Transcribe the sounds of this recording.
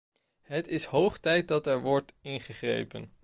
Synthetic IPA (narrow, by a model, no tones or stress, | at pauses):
ɦətɪsɦowχtɛjt̚dɑtɛɹʋɔɹtɪnχəχrḛjpə̰n